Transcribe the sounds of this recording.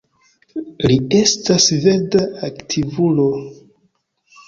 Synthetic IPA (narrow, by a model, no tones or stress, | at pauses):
lie̞stasve̞ɾdaaktʰivulo̞